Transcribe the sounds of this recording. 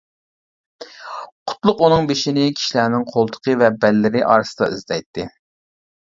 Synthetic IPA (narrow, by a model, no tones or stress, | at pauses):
qʰʊ̥t̪lˠʊqunɨŋbeʃinɪkʲʰi̥ʃilænɪŋqʰolˠt̪ʰə̥qʰəvɛbɛlːɪɾɪʔɑːɾɨsɨd̪ɑ̰izd̪ɛjt̪ʰːɪ